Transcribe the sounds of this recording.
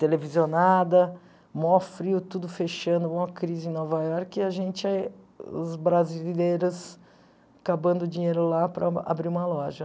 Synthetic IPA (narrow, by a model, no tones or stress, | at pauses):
t̪elevizionad̪ɐ | mɔfɾiʊt̪ud̪ʊfeʃɐ̃nd̪ʊũmɐkɾizɪẽnɔvajɔɾkɪaʒẽnt͡ʃɪa | ʊ̰zbɾazilejɾʊs | kabɐ̃nd̪ʊd͡ʒĩɲejɾʊlapɾɐa̰bɾiɾũmɐlɔʒɐ